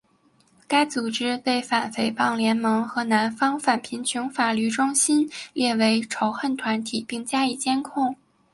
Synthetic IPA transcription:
ka˥ɪt͡su˨˩ʈ͡ʂɻ̩˥pe˥˩ɪfa˨˩nfe˧˩ɪpɑ˥˩ŋljɛ˧˥nmɤ˧˥ŋxɤ˧˥na˧˥nfɑ˥ŋfa˨˩npʰi˧˥nt͡ɕʰy˧˥ŋfa˨˩ly˥˩ʈ͡ʂʊ˥ŋɕi˥nljɛ˥˩we˧˥ɪʈ͡ʂʰo˧˥ʊxə˥˩nt̪ʰwa˧˥nt̪ʰi˨˩pi˥˩ŋt͡ɕja˥i˥˩t͡ɕjɛ˥nkʰʊ˥˩ŋ

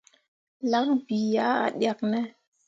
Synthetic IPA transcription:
la˦kn˦bi˨ja˨˦a̰˨ɗja˨k̚nɛ˦

